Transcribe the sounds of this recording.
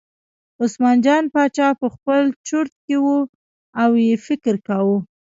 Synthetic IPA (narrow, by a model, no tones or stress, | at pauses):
osmɑnd͡ʒɑnpɑt͡ʃɑpəxpəlt͡ʃʊɾt̪̚kewu | awjefɪkɾkawu